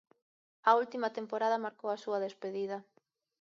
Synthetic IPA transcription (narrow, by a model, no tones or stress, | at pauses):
ɐult̪imɐt̪empoɾaðɐmaɾkowɐsuɐðespeðiðɐ